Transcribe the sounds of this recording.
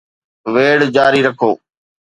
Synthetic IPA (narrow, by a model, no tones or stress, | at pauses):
ʋeːɽd͡ʒaːɾiːɾəkʰoː